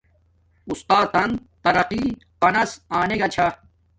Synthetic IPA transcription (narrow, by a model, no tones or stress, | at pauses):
ust̪aːt̪ɐnd̪ | t̪ɐɾɐqiːpɐnɐsaːneɡɐt͡ɕʰa